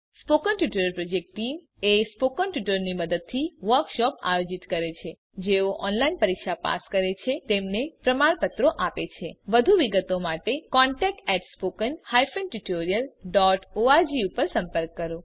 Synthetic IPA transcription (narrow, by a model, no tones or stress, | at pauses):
spokənʈjuʈəɾəɾpɾod͡ʒek̚ʈʈːim | espokənʈjuʈəɾniməd̪əd̪̚t̪ʰiʋəɾkʃɔpa̰jod͡ʒit̪kəɾet͡ʃʰe | d͡ʒeoʔɔnlainpəɾikʃapa̰skəɾet͡ʃʰet̪emnepɾəmaɾpət̪ɾoʔapet͡ʃʰeʋəd̪ʱuʋiɡət̪omaʈekɔɳʈɛk̚ʈɛʈspokənhajfənʈuʈoɾijəlɖɔʈoad͡ʒiupəɾsə̃mpəɾkːəɾo